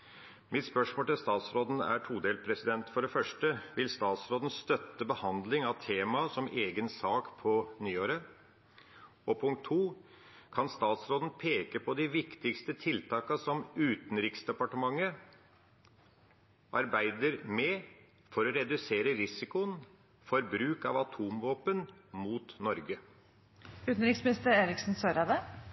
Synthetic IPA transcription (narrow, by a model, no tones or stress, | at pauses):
mɪt̪spœʂmoːlt̪ɪlst̪ɑːt̪sɾoːd̪n̩æ̰ʈʰuːd̪eːlpʰɾɛsɪd̪ɛnt̪fɔɖɛfœʂʈəʋɪlst̪ɑːt̪sɾoːd̪n̩st̪œt̪ːəbəhɑnd̪lɪŋɑʋt̪ʰeːmɑsɔmeːɡənsɑːkpʰɔnyːoːɾə | ɔpʰʊŋk̚t̪ʰːuː | kʰɑnst̪ɑːt̪sɾoːd̪n̩pʰeːkəpʰɔd̪ɪʋɪkt̪ɪkst̪ət̪ʰɪlt̪ʰɑːkɑsɔmʉːt̪n̩ɾɪksd̪ɛpɑʈəmɑŋːə | ʔɑɾbæɪd̪əɾmɛ | fɔɾɔɾɛd̪ʉseːɾəɾɪsɪkʊən | fɔɾbɾʉːkɑ̰ʋɑt̪ʰuːmʋoːpənmuːt̪nɔɾɡə | ʉːt̪n̩ɾɪksmɪnɪst̪əɾeːɾɪksn̩søːɾɑd̪ə